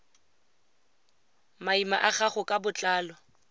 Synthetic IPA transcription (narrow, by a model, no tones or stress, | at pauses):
maimaʔaχaχʊkʼabʊt͡ɬʼaːlɔ